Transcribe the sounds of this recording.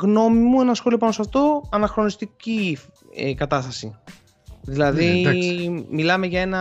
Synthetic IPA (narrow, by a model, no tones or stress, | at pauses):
ɣno̞mimue̞nɐsxo̞lio̞pɐnosɐft̪o̞ɐnɐxɾo̞nist̪ici | ekɐt̪ɐst̪ɐsḭ | ðilɐði | milɐme̞ʝɐe̞nɐ